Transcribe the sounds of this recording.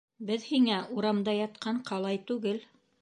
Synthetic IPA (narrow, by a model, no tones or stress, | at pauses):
bɘðhiŋæʔuɾɑmd̪ɑjɑt̪̚qʰɑɴqɑlˠɑjt̪ʉɡɘl